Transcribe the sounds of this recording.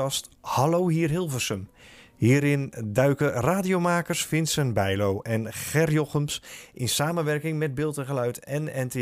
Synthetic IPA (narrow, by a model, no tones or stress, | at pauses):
ɑsthalowɦiːrɦɪlˠvəsəmhiːɾɪndœɥkəraːdijomaːkərsfɪnsənbɛjlowʔɛnxɛrjɔχəmsʔɪnsaːmənʋɛrkɪŋmɛd̚bɪːlˠtəɣəlœɥtɛnɛnte